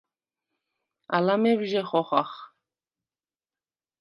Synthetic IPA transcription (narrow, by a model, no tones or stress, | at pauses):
a̰lamɛvʒɛχɔχa̰χ